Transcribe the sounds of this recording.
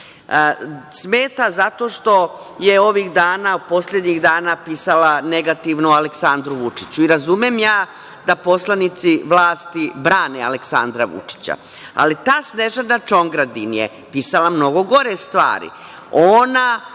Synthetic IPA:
smeːt̪azat̪o̞ːʃt̪o̞ | je̞o̞ʋiɣd̪aːnaupo̞sled̪ɲiɣd̪aːnapiːsalane̞ɡat̪iʋnoaleksand̪ɾuʋut͡ʂit͡ɕuiɾazumemjaː | d̪apo̞slˠanit̪siʋlˠaːst̪ibɾaːnea̰leksand̪ɾaʋṵt͡ʂi̥t͡ɕa̰ | a̰lit̪aːsneʒanat͡ʃo̞ŋɡɾad̪injḛ | piːsalamno̞ɡo̞ɡo̞ɾest̪ʋa̰ːɾḭ | oːna

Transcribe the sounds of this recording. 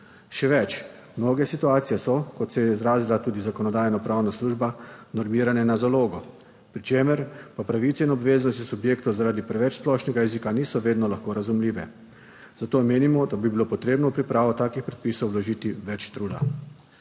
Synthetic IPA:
ʃɛʋɛt͡ʃ | mnoːɡɛsit̪uaːt̪sijɛsɔkɔt̪sɛjɛizɾaːzilat̪uːd̪izakɔnɔd̪aːjnɔpɾawnasluːʒbanɔɾmiːɾanɛnazaloːɡɔ | pɾit͡ʃeːmɛɾpapɾaʋiːt̪sɛinɔbʋeːznɔst̪isubjeːkt̪ɔzaɾaːd̪ipɾɛʋɛt͡ʃsplɔʃnɛɡajɛziːkaniːsɔʋeːd̪nɔlaxkoːɾazumliːʋɛ | z̥at̪omeːnimɔd̪abibilopɔt̪ɾeːbnɔupɾipɾaːʋɔt̪aːkixpɾɛt̪̚piːsowlɔʒiːt̪iʋɛt͡ʃt̪ɾuːd̪a̰

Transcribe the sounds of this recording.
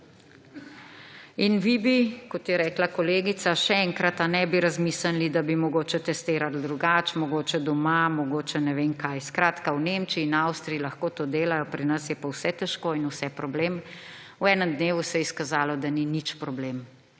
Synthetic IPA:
inʋibikɔt̪jɛɾɛːklakɔleːɡit̪saʃɛɛŋkɾat̪anɛbiɾazmisanlid̪abimɔɡoːt͡ʃɛt̪ɛst̪eːɾald̪ɾuɡaːt͡ʃmɔɡoːt͡ʃɛd̪ɔmamɔɡoːt͡ʃɛnɛʋeŋkajskɾaːt̪kawnemt͡ʃiːnawst̪ɾiilaxkoːt̪oːd̪eːlajɔpɾinɐsjɛpawsɛt̪ɛʃkoːinusɛpɾɔbleːm | uɛːnəmd̪neːʋusɛjɛiskazaːlɔd̪aninit͡ʃpɾɔblem

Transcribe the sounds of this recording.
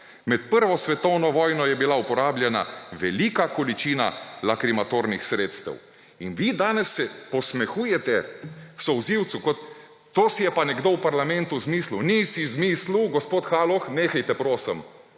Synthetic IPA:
mɛt̪pəɾʋɔsʋɛt̪ɔwnɔʋɔːjnɔjɛbilaupɔɾaːbljɛna̰ʋɛlikakɔlit͡ʃiːna̰lakɾimat̪oɾnixsɾeːt̪st̪ɛ̰w | inʋid̪aːnɛsːɛpɔsmɛxuːjɛt̪ɛsɔwziwt̪sukɔt̪ː | oːsijɛpanɛɡd̪owpaɾlamɛ̃nt̪uzmiːslunisizmiːsluɡɔspoːt̪xaːlɔxneːxajt̪ɛpɾoːsəm

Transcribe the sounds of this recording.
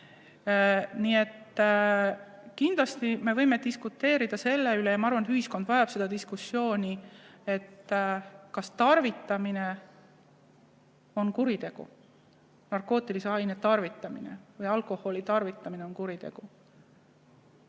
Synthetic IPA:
nie̞t̪ː | kind̪̥lɑst̪ime̞vɤjmed̪iskut̪ːe̞ːɾid̪̥ɑse̞lːeyle̞jɑmɑɑrvɑnet̪yhisko̞nd̪̥vɑjɑb̥se̞d̥̪ɑd̪iskusːjo̞ːnʲie̞t̪ː | kɑst̪ɑrvit̪ːˑɑmine̞ | o̞nkuɾit̪e̞ɡ̥ṵ | nɑrko̞ːt̪ːˑiliseɑjnet̪ɑrvit̪ːˑɑmine̞̰vɯjɑlko̞ho̞lit̪ɑrvit̪ːˑɑmineo̞nkuɾit̪e̞̰ɡ̥u

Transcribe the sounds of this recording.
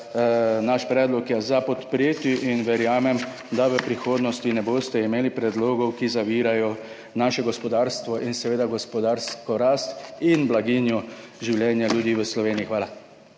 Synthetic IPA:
naʃpɾɛːd̪lɔkjɛzapɔt̪pɾjeːt̪jiʔinʋɛɾjaːmɛm | d̪aʋəpɾixoːd̪nɔst̪inɛboːst̪ɛimeːlipɾɛd̪loːɡɔwkizaʋiːɾajɔ | naːʃɛɡɔspɔd̪aːɾst̪ʋɔʔinsɛʋeːd̪aɡɔspɔd̪aːɾskɔɾast̪inblaɡinjuʒiwljɛːnjaljud̪iːʋəslɔʋeːniixʋaːla

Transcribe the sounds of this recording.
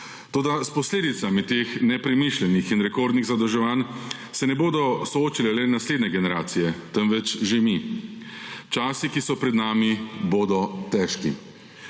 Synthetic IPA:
t̪oːd̪aspɔsleːd̪it̪samit̪eːxnɛpɾɛmiʃlʲɛnixinɾɛkoːɾd̪niɣzad̪ɔʒɛʋaːn | sɛnɛboːd̪ɔsɔoːt͡ʃilɛlɛnasleːd̪nɛɡɛnɛɾaːt̪sijɛt̪ɛnʋɛt͡ʃʒemi | t͡ʃaːsikisɔpɾɛd̪naːmiboːd̪ɔt̪ɛʃkḭ

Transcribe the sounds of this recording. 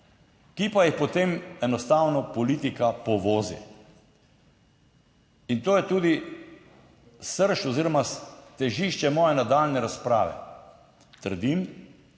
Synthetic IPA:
kipajixpot̪emɛnɔst̪aːwnɔpɔliːt̪ikapɔʋoːzḭ | int̪oːjɛt̪uːd̪i | səɾʃɔziːɾɔmast̪ɛʒiʃt͡ʃɛmɔːjɛnad̪alnɛɾaspɾa̰ːʋɛ̰ | t̪əɾd̪im

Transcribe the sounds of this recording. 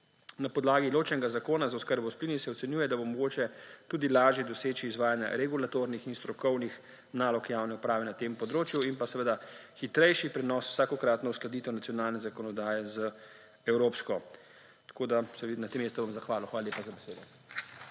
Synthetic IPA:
napɔd̪laːɡiloːt͡ʃnɛɡazakoːnazaɔskəɾbɔwsplinisɛɔt̪sɛnjuːjɛd̪abomɔɡoːt͡ʃɛt̪uːd̪ilaːʒjɛd̪ɔseːt͡ʃiːzʋaːjanja̰ɾɛɡulat̪oɾnixinst̪ɾɔkɔwnix | naːlɔkjaːwnɛupɾaːʋɛnat̪empɔd̪ɾoːt͡ʃjuinpasɛʋəd̪axit̪ɾɛjʃipɾɛnɔsw̥saːkɔkɾaːt̪nɔwsklad̪iːt̪ɛwnat̪sijɔnaːlnɛzakɔnɔd̪aːjɛzə | ɛwɾoːpskɔ | t̪ḁkoːd̪asɛʋ̪nat̪emest̪ɔbamzaxʋaːlɔxʋaːlaljeːpazabɛseːd̪ɔ

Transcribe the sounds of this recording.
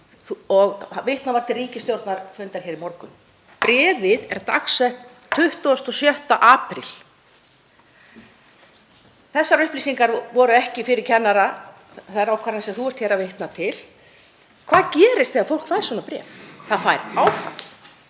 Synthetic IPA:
θuɔɣvɪjht̪navaɾt̪ʰɪlriːcɪst̪jowɾt̪naɾfʏnt̪aɾ̥çɛːɾimɔɾkʏn | pɾɛːvɪðɛɾ̥t̪a̰ksɛht̪ʰ | ʏht̪uɔst̪ɔsjœht̪aʔaːpɾɪ̰l | θɛsːaɾʏhpliːsiŋkaɾvɔɾʏɛhcɪfɪɾɪɾ̥cʰɛnːaɾa | θaɾawkʰaɾansɛmθuɛr̥t̪çɛːɾavejht̪nat̪ʰɪl | kʰvaːðcɛːɾɪst̪θeðafowl̥kfajɾ̥svɔnapɾɛ̰ːvθaðfajɾaːwfa̰t̪l̥

